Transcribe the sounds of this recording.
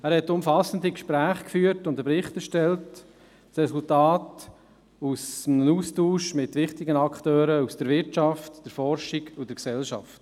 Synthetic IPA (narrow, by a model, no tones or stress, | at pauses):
æːɾhɛtːʊmfɑsəndikʃpɾæːχkfyːətʊndəpɾɪχtəʃtɛlt | sɾɛsʊltaːt | usnuːstuːʃmɪtʋɪχtɪɡənɑkχtøːɾəusd̥əɾʋɪɾtt͡ʃɑftd̥əɾfɔɾʃɪɡʊd̥əɾksɛlʃɑ̰ft